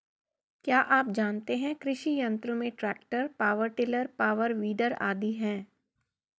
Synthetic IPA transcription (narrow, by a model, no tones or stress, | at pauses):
kjaːʔaːp̚d͡ʒaːnt̪eɦɛ̃kɾɪʃijɐ̃nt̪ɾõmẽʈɾɛːk̚ʈəɾpaːʋəɾʈɪləɾpaːʋəɾʋiːd̪əɾa̰ːd̪iɦɛ̃ː